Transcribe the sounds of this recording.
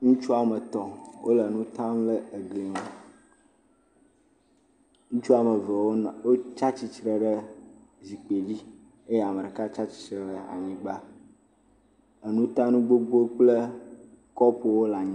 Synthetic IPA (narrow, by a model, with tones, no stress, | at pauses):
ŋũ˦t͡ʃu˦a˨mə˨t̪ɔ̃˨wʔo˦lə˨nũ˦t̪ã˦mlə˦˨ɡle˨m˨ | ŋũ˦t͡ʃu˦a˨mə˨və˨wo˦˨wo˦t͡ʃa˦t͡ɕi˦t͡ʃɾə˨ɖə˦zi˨k͡pe˨li˦ | e˦je˨a˨mə˨ɖə˨ka˦t͡ʃa˦t͡ɕi˨t͡ʃɾə˨ɖə˨a̰˨ɲĩ˦ɡ͡ba˦ | ə˨nũ˦t̪ã˦nũ˦ɡ͡bo˦ɡ͡bo˦k͡plə˦ | kɔ˦po˨wo˦la˨ɲĩ˦